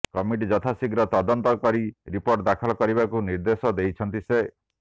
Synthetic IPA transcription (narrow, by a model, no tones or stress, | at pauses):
kɔmiʈ̬id͡ʒɔt̪ʰasiɡɾɔt̪ɔd̪ɔnt̪ɔkɔɾiɾipoɾʈd̪akʰɔlɔkɔɾiβakuniɾd̪esɔd̪ejt͡ʃʰɔnt̪ise